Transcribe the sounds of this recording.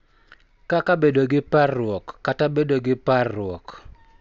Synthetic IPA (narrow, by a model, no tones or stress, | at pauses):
kakabedoɡɪparːwɔkːatabedoɡɪparːʊwɔk